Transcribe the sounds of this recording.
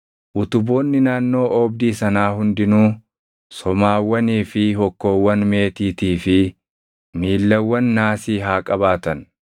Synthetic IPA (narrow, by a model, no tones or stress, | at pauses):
ʔʊt̪ʊbo̞ːnːɪnaːnːo̞ːʔɔːbd̪iːsɐnaːɦʊnd̪ɪnuː | sɔmaːwːɐniːfɪɦɔkːo̞ːwːɐnme̞ːt̪iːt̪iːfɪ | miːlːɐwːɐnːaːsiːɦaːkʼɐbaːt̪ɐn